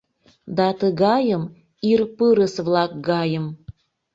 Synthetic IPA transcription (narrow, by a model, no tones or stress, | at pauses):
d̪ɑt̪əɣɑjəm | irpɨɾəsvlɑk̚ɡɑjəm